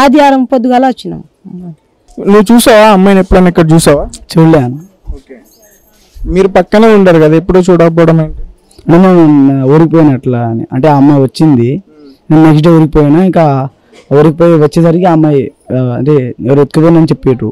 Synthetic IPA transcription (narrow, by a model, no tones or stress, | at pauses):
aːd̪ijaːɾɐmpod̪uɡɐlaːɐt͡ʃːinɐ̰m | nuʋːut͡ʃuːsaːʋaːɐmːajnepːuɽɐnikːɐɽɐt͡ʃuːsaːʋaːt͡ʃeɭaːnu | oke | miːɾupɐkːɐneːuɳʈaːɾukɐd̪aːepːuɽoːt͡ʃuːɽaːkɐp̬ɔːɽɐmɐɳi | ɐɳʈeːmɐnɐmoːɾikip̬oːjnɐʈlanḭʔɐɳʈeːɐmːaːjʋɐt͡ʃːind̪i | neːnneɡʈ̬ɐoːɾikipoːjnaiŋkaː | ʋɾikipoːjiʋɐt͡ʃːeːsɐɾiɡaɐmːajɐɳʈeːɛʋɐɾet̪̚kupoːjinɐnit͡ʃepːeːʈu